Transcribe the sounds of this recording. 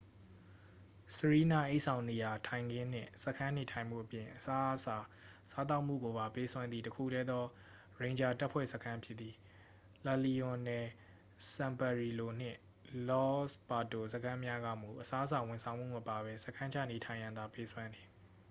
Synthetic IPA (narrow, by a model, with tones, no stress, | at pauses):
səɹi˦na̰˦˨ʔe˦ʔsʰã˨ʊ̃ne˨ja˨tʰã˨ɪ̃ŋɡɪ̃˦n̥ɪ̰̃˦˨sə˨kʰã˦n̥e˨tʰã˨ɪ̃m̥ṵ˦˨ʔəpjɪ̃˨ʔəsa˦sa˨sa˦t̪̬a˦ʊʔm̥ṵ˦˨ɡo˨ba˨pe˦swã˦nd̪ði˨təkʰṵ˦˨tʰɛ˦d̪ɔ˦ | ɹẽ˨ɲd͡ʑa˨ta˦pʰwɛ̰˦˨sə˦kʰã˦pʰjɪ˦t̪ːi˨ | la˨li˨ʊ̃˨nɛ˨ | sã˨mpa˨ɹi˨lo˨n̥ɪ̰̃˦˨ | lɔ˦spa˨to˨sə˦kʰã˦mja˦ɡä̰˦˨m̥ṵ˦˨ʔəsa˦ʔəsa˨wʊ̃˨nsʰã˨ʊ̃mṵ˦˨mə˨pa˨βɛ˦sə˦kʰã˦ɲd͡ʑʰa̰˦˨ne˨tʰã˨ɪ̃jã˨nd̪a˨pe˦swã˦nd̪i˨